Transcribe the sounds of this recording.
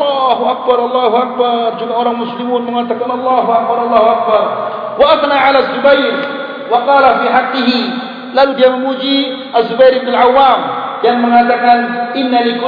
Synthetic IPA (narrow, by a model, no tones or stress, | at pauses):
aɦuʔak̚baɾˤʔɑlˤːɑɦuak̚bard͡ʒuɡaoɾaŋmʊslimʊnməŋat̪akanɑlˤːaɦuʔak̚baɾˤʔɑlˤːɑːɦuak̚bar | waʔaθnaʕalazːubajɾ | wɑqɑːlafiħɑqːɪɦi | laludiaməmud͡ʒi | ʔazːubajɾɪbnalʕawːamdanməŋat̪akanʔɪnːalik